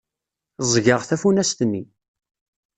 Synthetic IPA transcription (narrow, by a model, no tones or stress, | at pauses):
zˤʝəʁθæfunæst̪ənːi